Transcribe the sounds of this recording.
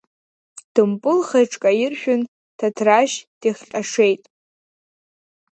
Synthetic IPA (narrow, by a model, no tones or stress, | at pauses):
d̥ɨmpʼɨlχejʈ͡ʂʼkʼaɪrʃᶣʊn | tʰatʰraʃd̥iχʲɬʲʼaʂe̞jtʼ